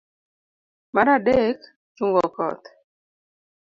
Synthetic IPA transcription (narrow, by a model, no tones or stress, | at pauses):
maɾadek | t͡ʃuŋɡɔkɔ̰t̪